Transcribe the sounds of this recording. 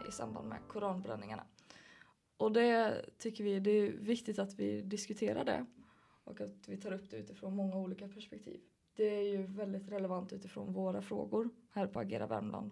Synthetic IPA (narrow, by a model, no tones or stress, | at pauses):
ɪ̰sa̰mba̰nd̪mɛ̰kʰʊɾɑːnbɾɛnːɪŋaɳa̰ | ʔɔd̪ɛt̪ʰʏkːəɾvɪd̪ɛːɾvɪkt̪ɪt̪at̪vɪ̰d̪ɪskɵt̪ʰeːɾa̰ɖɛ̰ | ʔɔkat̪vɪt̪ʰɑːɾɵpːd̪̥ɛʉ̟ːt̪ɪfɾoːnmɔŋːauːliːkapʰæʂpɛk̚t̪ʰḭːv | d̪̥ɛæɾjɵvɛld̪ɪt̪ɾɛlɛvant̪ʉ̟ːt̪ɪfɾo̰ːnvoːɾafɾoːɡʊɾhæːɾpʰɔaɡḛːɾa̰vɛ̰ɾmla̰nd̪